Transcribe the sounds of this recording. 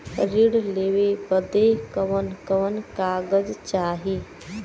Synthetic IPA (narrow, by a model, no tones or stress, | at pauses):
ɾiɽlewebəd̪ekəʋənkəʋənkaɡəd͡ʒt͡ʃaɦi